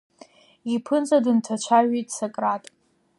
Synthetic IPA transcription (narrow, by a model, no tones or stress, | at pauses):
ipʰɨnd͡zʼadɨntʰat͡ʃʷʰaʒejtʼsakʼratʼ